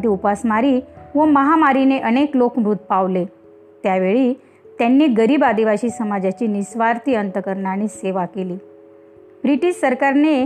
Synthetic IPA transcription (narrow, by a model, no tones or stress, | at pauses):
t̪iːupasmaɾiːʋəməɦamaɾineʔəneklokmɾut̪̚paʋle | t̪jaʋeɭiː | t̪janːeɡəɾiːbad̪iʋaɕiːsəmad͡ʑat͡ɕiːnisʋaɾt̪iːənt̪əkəɾɳaɽ̃iseʋakeliː | bɾiʈiɕsəɾkaɾne